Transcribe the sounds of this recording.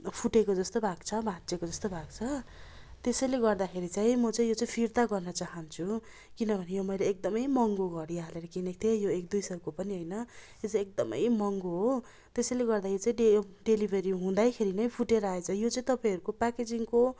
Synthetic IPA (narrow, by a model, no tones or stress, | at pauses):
pʰuʈekod͡zʌst̪obʱaɡt͡sʰʌbʱat͡sekod͡zʌst̪obʱaɡt͡sʰʌ | t̪esʌjleɡʌrd̪akʰeɾit͡sãĩmʌt͡saĩjot͡saĩpʰirt̪aɡʌrnʌt͡saɦʌnt͡sʰu | kinʌbʱʌnejomʌjleːk̚d̪ʌmʌjmʌŋɡoɡʌɾialeɾʌkinek̚t̪ʰejoek̚d̪ujsʌrkopʌniɦojnʌjot͡saĩek̚d̪ʌmʌ̰jmʌŋɡoɦo | t̪esʌjleɡʌrd̪ajot͡saĩɖejɖelibʱeɾiɦũd̪ajkʰeɾinʌjpʰuʈeɾʌaet͡sʰʌjot͡saĩt̪ʌpaĩʌɾukopaked͡ziŋko